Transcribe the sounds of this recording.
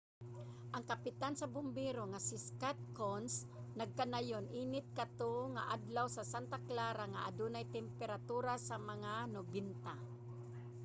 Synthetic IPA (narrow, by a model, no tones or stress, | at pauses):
ʔɐŋkapɪt̪ansɐbʊmbiɾoŋasɪskat̪̚kons | nɐɡ̚kanajonʔiːnɪt̪̚kat̪oŋaʔad̪lawsasant̪aklaːɾaŋaʔad̪unajt̪ɛmpɛɾat̪uːɾasamɐŋanʊbɪnt̪a